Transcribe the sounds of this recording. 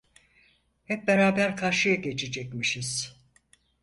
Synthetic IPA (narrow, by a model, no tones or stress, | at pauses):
hɛp̚be̞ɾaːbæɾkʰaɾʃɯjaɟe̞t͡ʃʰed͡ʒɛcmiʃiz̥